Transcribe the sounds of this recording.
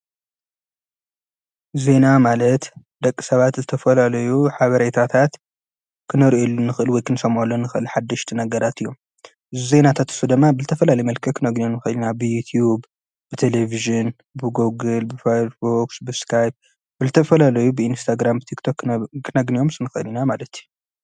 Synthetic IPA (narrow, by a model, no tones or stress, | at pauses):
ze̞namalɐt̪ | d̪ɐkʼːisɐβat̪zɨt̪ʰɐfɐlalɐjuħaβɐɾet̪ɾat̪ʰat̪ | kʰɨnɨɾʔolːunːɨxʔɨlwɔjkʰɨnɨsɐmʕolːonːɨxʔɨlħad̪ːɐʃt̪ʰinɐɡɐɾat̪ɨjːo̞m | zzenat̪ʰat̪ɨ̥sud̪ɨmːabɨzɨt̪ʰɐfɐlalɐjmɐlkʰɐkʰɨnɐɡnijomnɨxɨlinabɨjut̪ʰjub | b̥ɨt̪ʰe̞leviʒɨn | bɨɡoɡɨlbɨfasbuksbɨskʰajb̚ | bɨzɨt̪ʰɐfɐlalɐjubɨinst̪ʰaɡɾambɨt̪ʰikt̪ʰo̞kːkːɨnɐɡnijo̞msɨnɨxɐɨlinamalɐt̪ju